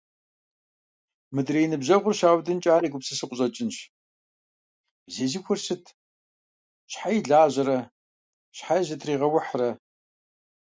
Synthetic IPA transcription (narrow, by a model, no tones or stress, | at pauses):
mɨdrejnɨbʑɐʁʷʊrɕaːwdɨnt͡ʃʼaːɾiːɡʷʊpsɨsɨqʷʊʑʼɐt͡ʃʼɪnɕ | bzeːzixʷʊrsɨtʰ | ɕħajiɮaːʑɐɾɐ | ɕħaʑɐtʰriːʁɐwʊħrɐ